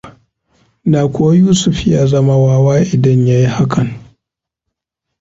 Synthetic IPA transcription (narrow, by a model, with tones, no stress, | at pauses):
naː˨kʷʊ˦wa˦juː˦sʊ˦ɸjaː˦zɐ˦ma˦waː˦waː˦ʔɪ˨dɐ˦ɲja˦ji˦ha˦kʰɐ˨ŋ